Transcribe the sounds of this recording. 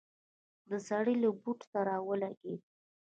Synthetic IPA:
d̪əzaɽilabuʈt̪aɾɑwəlaɡed̪

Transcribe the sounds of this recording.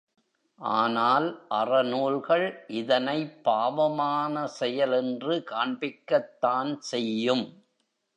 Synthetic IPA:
ʔaːnaːlʔɐrɐnuːlɣɐɭʔɪðɐnɐɪpːaːʋɐmaːnɐsɛjɐlɛndrɯkaːɳbɪkːɐt̪ːaːnsɛjːɯm

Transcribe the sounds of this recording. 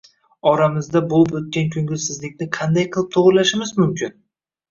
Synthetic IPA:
ɒɾamɪzd̪abolˠɪpot̪̚kʲankʰʲʊŋɡʲɪzsɪzlɪkʲnɪqʰɑnd̪ajqʰɨlˠɪp̚t̪ʰoʁɾlaʃɪmɪzmʊmkʲʰɪn

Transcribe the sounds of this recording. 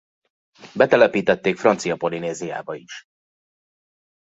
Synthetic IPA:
bɛt̪ɛlɛpiːt̪ɛt̪ːeːkfrɒnt̪sijɒpo̞lineːzija̰ːbɒiʃ

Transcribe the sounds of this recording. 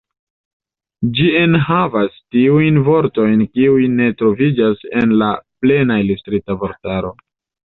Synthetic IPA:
d͡ʒienɦavastiujnvo̞ɾto̞jnkiujne̞tɾo̞vid͡ʒase̞nlaple̞nailustɾitavo̞ɾtaɾo̞

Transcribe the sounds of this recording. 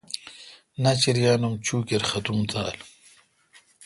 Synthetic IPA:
nɐt͡ɕiɾjaːnumt͡ɕʰuːkeɾxɐt̪umt̪aːl

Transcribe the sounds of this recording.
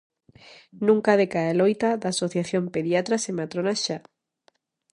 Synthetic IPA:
nũŋkaðekaelojt̪aðaːsoθjaθjompeðjat̪ɾasemat̪ɾonaʃa

